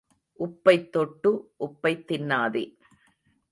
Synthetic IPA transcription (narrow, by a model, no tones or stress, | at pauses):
ʔʊpːɐɪt̪ːɔʈːɯʔʊpːɐɪt̪ːɪnːaːðḛ